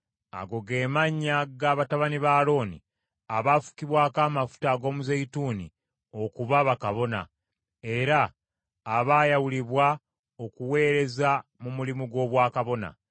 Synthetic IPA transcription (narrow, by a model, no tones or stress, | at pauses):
a̰ɡo̞ɡe̞ːmaɲːaɡaːβataβaniβaːlo̞ːnḭ | aβafu̥kiβwaːkaːmafu̥taɡo̞ːmuzeituːnḭ | o̞kuβaβakaβo̞na̰ | e̞ɾaː | βaːjawuliβwa | o̞kuwe̞ːɾe̞zamumulimuɡo̞ːβwaːkaβo̞na̰